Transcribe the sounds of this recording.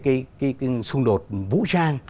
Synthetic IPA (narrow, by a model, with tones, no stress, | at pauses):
kaː˨˦jkaː˨˦jkːsʊ˧ŋɗo˨˩t̚vṵ˧˥t͡ɕaː˧ŋ